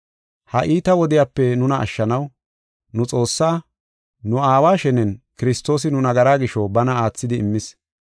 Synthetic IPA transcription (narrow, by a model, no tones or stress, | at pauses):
hɐʔiːt̪ɐwɔd̪ɪjaːpːɛnʊnɐʔɐ̰ʃːɐnɐw | nʊt͡sʼo̞ːsːaː | nʊaːwaːʃɛnɛnkɪɾɪst̪ːo̞ːs̬ɪnʊnɐɡɐɾaːɡɪʃɔbɐnɐaːt͡sːɪd̪ɪːmːɪs